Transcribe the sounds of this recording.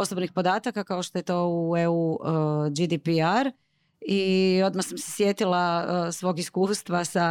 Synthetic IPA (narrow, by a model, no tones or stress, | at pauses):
o̞sobnixpo̞d̪aːt̪akakaoʃt̪o̞je̞t̪o̞ːueu | d͡ʒid̪ipiaɾ | io̞d̪masamsesjet̪ilasʋo̞ːɡiskuːst̪ʋasa